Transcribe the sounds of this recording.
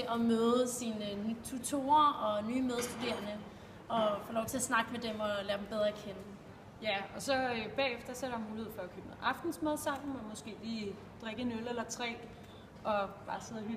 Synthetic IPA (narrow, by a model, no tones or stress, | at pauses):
eʔɒmøːð̞̩ˠəsiːnənyt͡sʰut͡sʰo̝̰ːɐɒ̽nyːmeð̞ˠsd̥ud̥e̝̰ɐnə | ɒ̽foːlɒʊt͡sʰe̝ɐsnɑ̈ɡ̥əmed̥emɒ̽læːɐd̥em̩b̥eð̞ˠʁɐkʰenə | jæɒ̽sɒ̽øb̥ɛ̰ːefd̥ɐsɒɐɾ̥ɑ̈muːlihḛfɒ̽ækʰøːb̥meʔɑ̈fd̥n̩smeð̞̰ˠsɑ̈m̰m̩ɒmɒ̽sɡ̥e̝̰ːliː | d̥ʁeɡ̥ənølelɐt͡sʰʁɛ̰ː | ʔɒ̽b̥ɑ̈ːseð̰ˠɐɦy